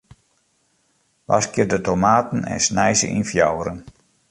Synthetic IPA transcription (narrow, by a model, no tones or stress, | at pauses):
ʋʔa̰skjədətomaːtn̩ɛ̰nsnɛjzə̰ʔḭnfjawɾən